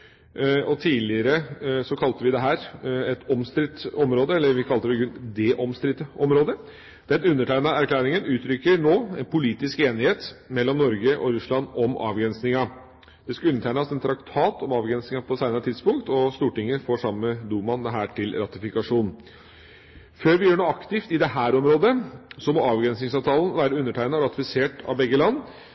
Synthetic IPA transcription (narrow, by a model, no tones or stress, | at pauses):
ɔt̪ʰiːlɪəɾəsɔkʰɑlt̪əʋɪd̪ɛɦæːɾɛt̪ɔmst̪ɾɪt̪ɔmɾoːd̪əɛlːəɾʋɪkʰɑlt̪əɖ̪ɛɡʉnd̪eːʔɔmst̪ɾɪt̪ːəɔmɾoːd̪ə | d̪̥ɛnʉnːəʈʰæɪnɑæɾkʰlæːɾɪŋənʉːt̪ʰɾʏkːəɾɳoːɛnpʰʊliːt̪ɪskeːnɪheːt̪mɛlːɔmnɔɾɡəʔɔɾʉslɑnɔmʔɑ̰ːʋɡɾɛnsnɪŋɑ | d̪̥ɛskɑʉnːəʈ̪ʰæɪnɑsɛnt̪ʰɾɑkt̪ʰɑːt̪ʰɔmɑːʋɡɾɛnsnɪŋɑpʰɔsæɪnəɾət̪ʰɪd̪spʊŋkt̪ɔst̪uːʈɪŋːəfoːʂɑmːəd̪uːmɑnd̪ɛɦæːʈʰɪlɾɑt̪ɪfɪkɑʂuːn | føːɾʋɪjøːɳoːɑkt̪ɪft̪ɪd̪ɛɦæːɾɔmɾoːd̪əsɔmɔɑːʋɡɾɛnsnɪŋsɑːʋt̪ʰɑːln̩ʋæːɾəʉnːəʈʰæɪnɑɔɾɑt̪ɪfɪseːʈɑ̰ʋbɛɡːəlɑnː